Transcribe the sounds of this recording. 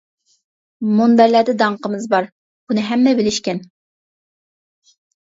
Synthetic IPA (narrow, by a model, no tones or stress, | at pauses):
mond̪æɾlæd̪ɛd̪ɑɴqəmɨzbɑɾ | b̥unɨɦɛmːɛbɪlɪʃkʲɛn